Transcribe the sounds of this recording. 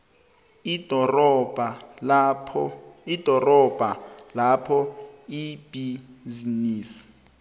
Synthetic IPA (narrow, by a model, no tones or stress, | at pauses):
idʱɔrɔbʱa | id̥ʱɔrɔb̥ʱalapʰɔib̥izniːsi̥